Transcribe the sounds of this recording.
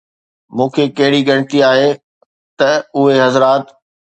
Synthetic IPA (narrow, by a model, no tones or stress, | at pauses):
mũːkʰekɐɦɪɽiɠɐɽ̃ɪ̆t̪iaːɦe | t̪ɐʊɦeɦɐzɾaːt̪